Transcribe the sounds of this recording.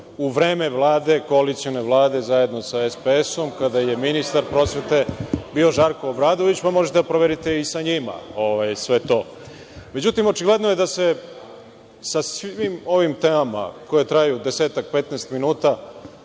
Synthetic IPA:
uʋɾe̞ːme̞ʋlˠaːd̪e̞ko̞alit̪sio̞ne̞ʋlˠaːd̪e̞zaje̞d̪no̞saespeeso̞mkad̪aje̞minist̪aɾpɾo̞sʋe̞t̪e̞bio̞ʒaɾkoobɾaːd̪oʋit͡ɕpamoʒet̪eapɾoʋeɾit̪e̞isaɲima̰oʋajsʋe̞t̪o̞ | me̞d͡ʑut̪imo̞t͡ʃiɡle̞d̪noje̞d̪ase̞ | sasʋʋimo̞ʋimt̪eːmama̰ko̞jet̪ɾaajud̪eseːt̪akpe̞t̪nest̪minuːt̪a

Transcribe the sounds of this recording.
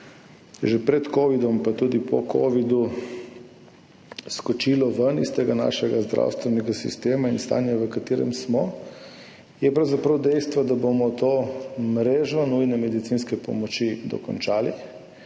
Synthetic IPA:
ʒɛpɾɛt̪koːʋid̪ɔmpat̪uːd̪ipʰɔ̰kʰo̰ːʋid̪u | skɔt͡ʃilɔʋənḭst̪eɡana̰ːʃɛɡazd̪ɾʔa̰ːwst̪ʋɛnɛɡasḭst̪eːmainst̪a̰ːnjaʋəkat̪eːɾɛ̰msmɔ | jɛpɾawzapɾɐwd̪ɛjst̪ʋad̪abomɔt̪oːmɾeːʒɔnujnɛmɛd̪it̪sinskɛpɔ̰mɔt͡ʃid̪ɔ̰kɔ̰nt͡ʃaːli

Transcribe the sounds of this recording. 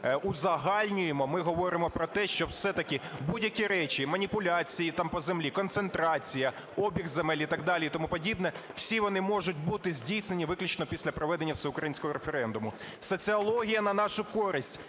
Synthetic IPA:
ʊzɐɦɑlʲnʲʊjemɔmɪɦɔʋɔɾɪmɔpɾɔt̪ɛʃt͡ʃɔwsɛt̪ɐkɪbudʲjɐkʲiɾɛt͡ʃimɐnʲipʊlʲat͡sʲijit̪ɑmpɔzemlʲikɔnt̪sent̪ɾɑt͡sʲijɐ | ɔbʲiɣzemɛlʲit̪ɑɡd̪ɑlʲiit̪ɔmupɔdʲibnɛw̥sʲiʋɔnɪmɔʒʊtʲbut̪ɪzʲdʲijsne̞nʲiʋɪklʲʊt͡ʃnɔpʲisʲlʲɐpɾɔʋɛd̪e̞nʲːɐwsɛʊkɾɐjinsʲkɔɦɔɾefeɾɛnd̪ʊmʊ | sɔt͡sʲɨɐlˠɔɦʲijɐnɐnɑʃʊkɔɾɪsʲtʲ

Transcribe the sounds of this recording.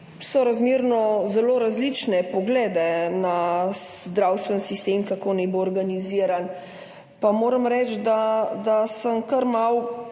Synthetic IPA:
sɔɾazmiːɾnɔzɛloːɾazlit͡ʃnɛpɔɡlɛːd̪ɛnazd̪ɾawst̪ʋɛnsist̪eːmkakoːnɛjboːɾɡaniziɾan | pamoːɾəmɾɛːt͡ʃd̪ad̪asəmkəɾmaw

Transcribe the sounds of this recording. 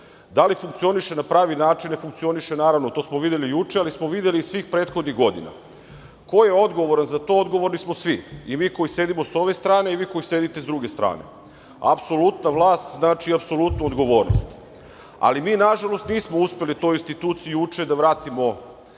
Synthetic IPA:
d̪alifuŋk̪̚sio̞niʃenapɾaːʋinaːt͡ʃinefuŋkt̪sio̞niʃe̞naːɾaʋnot̪o̞ːsmoʋid̪je̞lijut͡ʂealismoʋid̪jeliːsʋiːxpɾeːt̪xo̞d̪niɣɡo̞d̪ḭna̰ | ko̞je̞o̞d̪ɡo̞ʋo̞ɾanzat̪o̞od̪ɡo̞ʋo̞ɾnismo̞sʋiimiːko̞jise̞d̪imo̞so̞ʋe̞st̪ɾaːne̞iʋiːko̞jise̞ːd̪it̪e̞zd̪ɾuɡe̞st̪ɾa̰ːne̞̰ | a̰pso̞lut̪naʋlˠaːst̪znaːt͡ʃiapso̞lut̪nuod̪ɡo̞ʋo̞ːɾno̰st̪ | a̰limiːnaʒalo̞st̪niːsmouspe̞lit̪o̞ːjinst̪it̪uːt̪sijujut͡ʂed̪aʋɾaːt̪imo̞

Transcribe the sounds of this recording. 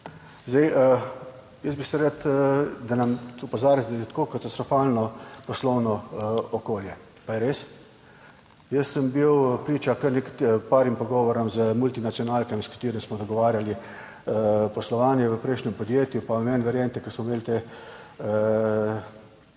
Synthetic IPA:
zd̪ɛj | jəsbisɛɾat̪d̪anamupɔzaːɾjat̪d̪ajɛt̪koːkat̪ast̪ɾɔfaːlnɔpɔslɔwnɔɔkoːljɛ | pajɛɾeːs | jəsəmbiwpɾiːt͡ʃakəɾnɛktpaːɾimpɔɡɔʋɔɾɔmzəmult̪inat̪sijɔnaːlkɛmskḁt̪eːɾimsmɔd̪ɔɡɔʋaːɾjali | pɔslɔʋaːnjɛʋəpɾɛjʃnʲɛmpɔd̪jeːt̪jupamɛnʋɛɾjent̪ɛkəsmɔmeːlt̪e

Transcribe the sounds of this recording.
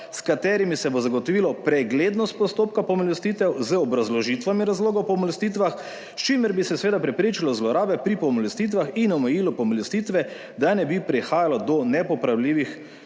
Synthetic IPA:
skat̪ɛːɾimisɛbozaɡɔt̪ɔʋilɔpɾɛɡleːd̪nɔst̪̚pɔst̪oːp̚kapɔmɔlɛst̪iːt̪ɛwzəɔbɾazlɔʒit̪ʋamiɾazloːɡawpɔmɔlɛst̪iːt̪ʋax | st͡ʃiməɾbisɛsʋeːd̪apɾɛpɾeːt͡ʃilɔzlɔɾaːbɛpɾipɔmɔlɛst̪it̪̬ʋaxinɔmɛjiːlupɔmɔlɛst̪iːt̪ʋɛ | d̪anɛbipɾɛxaːjalɔd̪ɔnɛpɔpɾawliːʋix

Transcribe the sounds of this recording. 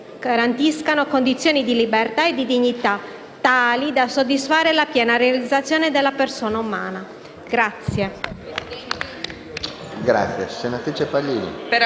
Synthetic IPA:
ɡ̥aɾant̪iskanokond̪it̪sːjoːnid̪ilibert̪aed̪id̪iɲːit̪a | t̪ːaːlid̪asod̪ːisfaːɾelapjɛːnarealid̪zːat̪sːjɔːned̪elːapersɔːnauma̰ːna | ɡ̥ɾat̪sːje | ɡɾa̰t̪sjesenat̪ɾit͡ʃepalːiːnḭ

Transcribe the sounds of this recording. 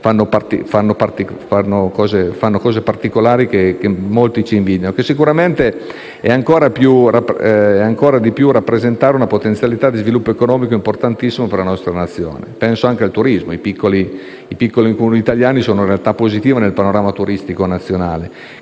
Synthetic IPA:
fanːopart̪ifanːopart̪ikfanːokɔːzefanːokɔːzepart̪ikolaːɾikek̟emːolt̪it͡ʃiːɱviːd̪janokesːikuɾament̪e | ɛaŋkoːɾapjurapɛaŋkoːɾad̪ipjurapːɾezent̪aːɾeunapot̪ent̪sjalit̪ad̪izvilupːoekonɔːmikoimport̪ant̪isːimoperlanɔst̪ɾanat̪sːjo̰ːnḛpɛnsoaŋk̟ealt̪uɾizmoipikːoliː | pikːolikomuniːt̪aljaːnisoːnoɾealt̪apːozit̪iːvenelpanoɾaːmat̪uɾist̪ikonat̪sːjonaːle

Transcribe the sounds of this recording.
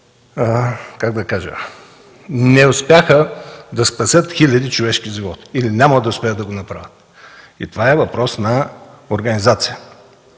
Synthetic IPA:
kaɡ̚d̪ɐkaʒə̰ | nɛʊspjaxəd̪ɐspɐsʲət̪xilʲɐd̪it͡ʃovɛʃkiʒivɔt̪i̥ilinʲaməd̪ɐʊspɛət̪d̪ɐɡonɐpɾa̰vʲət̪ | ḭt̪ovaɛvɐpɾɔsnɐoɾɡɐnizat̪sijə

